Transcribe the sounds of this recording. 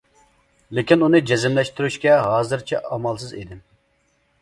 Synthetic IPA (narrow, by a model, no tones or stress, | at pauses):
lɪkʲinunɨd͡ʒezɪmlɛʃt̪yɾyʃkʲɛɦɑːzɨɾt͡ʃʰɛ̰ɑmɑlˠsɨzḭd̪ɪm